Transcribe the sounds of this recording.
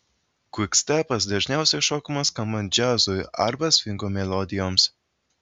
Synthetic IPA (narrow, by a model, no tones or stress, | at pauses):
kʊksʲt̪ʲæpɐsd̪ɐʒʲnʲɛˑʊsʲɛʃɔːkɐmɐskɐmɐnd͡ʒʲæzojɐ̰ɾbɐsʲfʲɪŋkomʲɛlˠɔd̪ʲɪjoːms